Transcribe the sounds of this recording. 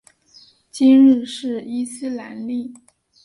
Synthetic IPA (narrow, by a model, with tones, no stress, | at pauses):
t͡ɕi˥nɻ̩˥˧ʂɻ̩˥˩i˥sɹ̩˥la̰˧˥nli˥˩